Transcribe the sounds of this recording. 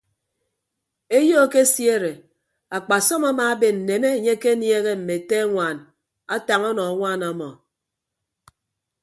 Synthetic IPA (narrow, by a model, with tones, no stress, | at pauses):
e˦jo˦˨ke˦sje˦˨ɾe˨ | a˨k͡pa˨sɔ˦ma˦maː˨˦be˨n̩˨ne˨ne˦˨ɲe˦ke˦nje˦ɣe˦m̩˨me˨te˦ŋʷaː˨n | a˦ta˨ŋɔ˦nɔ˨a˦ŋʷa˦˨na˨mɔ˨